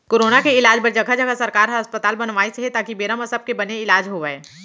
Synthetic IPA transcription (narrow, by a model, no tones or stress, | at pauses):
koːɾoːnakeɪlaːd͡ʒpɐɾd͡ʒɐɡʱad͡ʒəɡʱasɐɾkaːɾɦəspət̪aːlbɐnʋaːiseɦet̪aːkibeːɾaməsəb̚kebɐneɪlaːd͡ʒɦoʋəeː